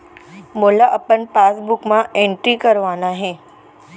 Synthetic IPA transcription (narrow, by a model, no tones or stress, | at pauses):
moːlaʔɐpənpaːsbʊkmãʔẽːɳʈɾikɐɾʋaːnaɦẽː